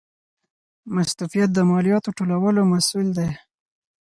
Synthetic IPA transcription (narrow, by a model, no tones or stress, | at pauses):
mast̪ufijat̪̚d̪əmɑlijɑt̪oʈolawəlomasuld̪aj